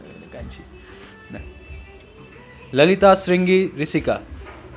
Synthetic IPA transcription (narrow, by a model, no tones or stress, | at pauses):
kant͡ʃʰi | n | lɐlit̪asɾiŋɡiɾisika